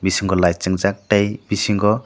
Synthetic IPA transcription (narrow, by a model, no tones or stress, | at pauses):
bisiŋɡɔlajt͡ʃɯŋzak̚ʈajb̥isiŋɡɔ